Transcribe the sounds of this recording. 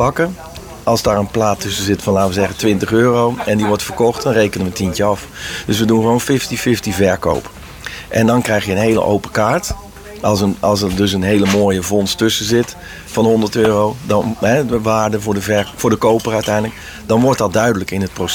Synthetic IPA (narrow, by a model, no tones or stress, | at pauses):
ɑkə | ʔɑlˠsdaːɹənplaːtʰʏsəzɪtfɔnlaːtʋəzɛɣəntʋɪntəχøːrowɛndiʋɔɹtfərkɔxtdɔnrejkənəʋətʰintəɑf | døsʋədunχəʋoːnfɪftifɪftivɛɹko̰wp | ʔɛndɔnkrɛjxjənɦejlə̰ʔo̰wpəkaːɹt | lˠsəɑlˠsədøs̬ənɦeːləmoːjəvɔnstøsəzɪt | fɔnhɔndəɹtøːrodɔnɦɛʋaːɹdəvʊːɹdəvɛfʊːɹdəkowpərœɥtɛjndlək̚ | dɔnʋɔɹt̚dɑt̚dœɥdələkɪnət̚pros